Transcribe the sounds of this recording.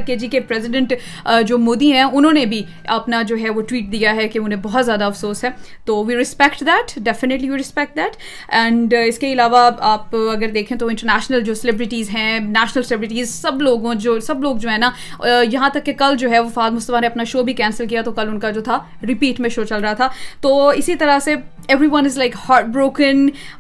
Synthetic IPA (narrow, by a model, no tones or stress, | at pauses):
ked͡ʒiːkepɾɛːzɪɖə̃ɳʈ | d͡ʒoːmoːd̪iɦɛ̃ʊnɦõːnebʱi | ɐpnad͡ʒoːɦɛʋoʈwiːʈ̚d̪ijaɦɛkeʊnɦẽbɔɦɔt̪zjaːd̪aɐfsoːsɦɛː | t̪oːʋiːɾɪspɛkʈd̪ɛːʈɖɛfɪnɪʈliʋiːɾɪspɛk̚ʈ̚d̪ɛːʈ | ɛ̃ːɳɖɪskeɪlaːʋaaːpɐɡəɾd̪eːkʰẽt̪̬oɪ̃ɳʈəɾnɛːʃnəld͡ʒoːsɛlɪbɾɪʈiːzɦɛ̃næːʃnəlsɛlɪbɾɪʈ̬iːzsɐbloːɡõd͡ʒoːsɐbloːɡ̚d͡ʒoːɦɛ̃na | jɐɦãt̪ɐkːekɐld͡ʒoːɦɛʋofaːɡmʊst̪əʋaneɐpnaʃoːbʱikɛ̃ːnsəlkijat̪okɐlʊnkad͡ʒoːt̪ʰa | ɾɪpiːʈmẽʃoːt͡ʃɐlɾɐɦat̪ʰat̪oːɪsit̪ɐɾase | ɛʋɾiʋɐ̃nɪzlaɪkhaːɾʈ̚bɾoːkə̃n